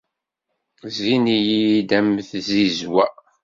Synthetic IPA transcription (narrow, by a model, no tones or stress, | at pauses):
zinijid̪æmθzizwæ